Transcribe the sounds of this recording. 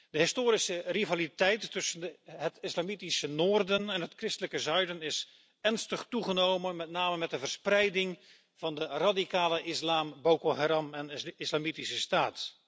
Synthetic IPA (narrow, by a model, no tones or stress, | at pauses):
dəɦɪstoːɾisərivalitɛjtːɵsənɦətɪslamitisənoːrdənɛnɦətkrɪstələkəzœɥdənɪs | ɛrnstəχtuχənowmənmɛtnaːməmɛtəvərsprɛjdɪŋ | v̥ɑndəradikaːləʔɪslaːmbowkoɦaɾɑmɛnɪslamitisəstaːt